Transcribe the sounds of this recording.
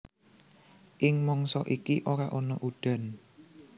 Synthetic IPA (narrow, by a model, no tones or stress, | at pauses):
ʔɪŋmɔŋsɔʔikiʔoɾaʔɔnɔʔud̥a̤n